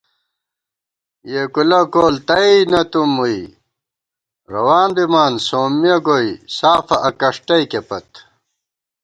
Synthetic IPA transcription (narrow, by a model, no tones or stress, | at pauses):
jekulɐkoːlt̪ɐinɐt̪umui | ɾɐwaːnd̪imaːnsoːmːijɐɡoisaːfɐʔɐkɐʂʈɐjkepɐt̪